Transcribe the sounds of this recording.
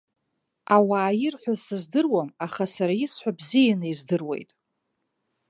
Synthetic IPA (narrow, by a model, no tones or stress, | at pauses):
awaːjɪrħʷᶣazsɨzdɨrwamaχasaɾajɪsħʷᶣabzijanɨizdɨrwe̞̰jtʼ